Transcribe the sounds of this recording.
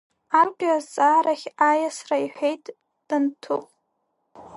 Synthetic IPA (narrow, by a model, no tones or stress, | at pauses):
arɡʷʲʼazt͡sʼaɾaχʲajasraiħʷᶣejtʼ | d̥ɨntʰupʼ